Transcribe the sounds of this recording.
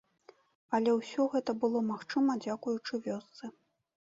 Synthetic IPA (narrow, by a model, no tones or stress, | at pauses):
ɐlʲɛwsʲɔɣɛt̪ɐbɨlˠɔmaxt͡ʂɨmɐd͡zʲakujut͡ʂɨvʲɔst̪sɨ